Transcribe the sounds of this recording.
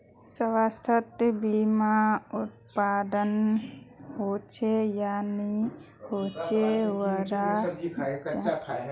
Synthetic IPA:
səwast̪ʰət̪bimaut̪̚pad̪ən | hot͡ʃʰejani | hot͡ʃʰewəɾa | t͡ʃa

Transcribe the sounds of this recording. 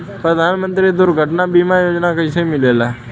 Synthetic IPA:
pɾəd̪ʱanmə̃nt̪ɾid̪ʊɾɡʱəʈnabimãjoːd͡ʒnakəisẽmɪlela

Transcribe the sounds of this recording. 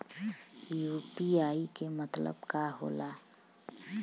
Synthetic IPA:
juːpiaːikemət̪lə̰bkaɦo̰ːla

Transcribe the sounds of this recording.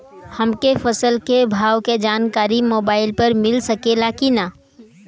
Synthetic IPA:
həmkefʰəsəlkebʱaːʋked͡ʒaːnkaːɾimoːbaːɪlpəɾmɪlsəkelakina

